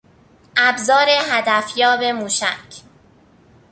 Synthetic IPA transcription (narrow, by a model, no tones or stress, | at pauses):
ʔæbzɒːɾe̞ɦæd̪æfjɒːbe̞muːʃæcʰ